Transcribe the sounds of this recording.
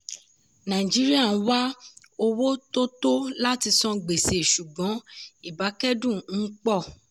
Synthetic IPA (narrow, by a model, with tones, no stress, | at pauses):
nã˨ĩ˨d͡ʒi˨˦ɾi˦a˦˨n̩˦wa˦ | o˧wo˦to˦to˦la˦ti˧sɔ̃˦ɡ͡be˨se˨ʃu˨ɡ͡bɔ̃˨˦i˦˨ba˨˦kɛ˦dũ˦˨n̩˦k͡pɔ˦˨